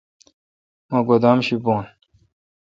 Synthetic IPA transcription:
maɡod̪aːmɕiboːn

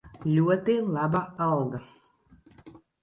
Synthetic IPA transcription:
lʲuɔt̪ɨlˠɑbaalˠɡa

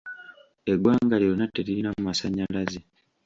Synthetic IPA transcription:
eɡwaːŋɡalionatːeɾiinamumasaɲːalaze

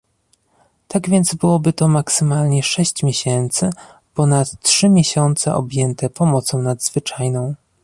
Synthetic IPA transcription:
t̪aɡvʲjɛnd̪zbɘwɔbɘt̪ɔmaksɘmalɲɛʂɛɕt͡ɕmʲjeɕɛnt̪sɘ | pɔnat̪ːʂɘmʲjeɕɔnt̪sɛ̰ʔɔ̰bʲjɛnt̪ɛpɔmɔt̪sɔ̃w̃nad̪z̥vɘt͡ʂajnɔ̃w̃

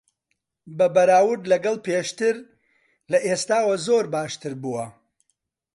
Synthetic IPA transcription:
bɐbɐɾaːwʊɾd̪lɐɡɐlˠpeʃt̪ɨɾ | lɐʔeːst̪aːwɐzoːɾbaːʃt̪ɨɾbuwɐ

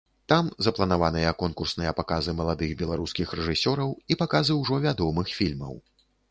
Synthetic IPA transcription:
t̪amzɐplˠɐnavanɨjɐkɔnkursnɨjɐpakazɨmɐlˠad̪ɨɣbʲɛlˠaɾuskʲixɾɛʐɨsʲɔɾɐwipakazɨwʐɔvʲad̪ɔmɨxfʲilʲmɐ̰w

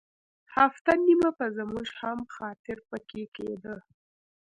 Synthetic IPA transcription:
haft̪animapəzəmuʒhamxɑt̪ɪɾpəkʰekḛd̪ə

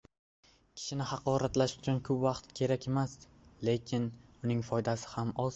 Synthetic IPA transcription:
kʲʰɪ̥ʃɪnɪhɑqɒɾat̪laʃʊ̥t͡ʃʰʊnkʰɵpvɑqt̪kʲʰe̞ɾakʲe̞mas | le̞kʲʰɪnʊnɪŋfɒjd̪asɪ̥hamɒz

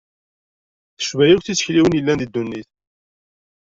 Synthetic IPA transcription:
θə̥ʃvæjikθit͡sːə̥çliwənjəlːænd̪id̪ːunːiθ

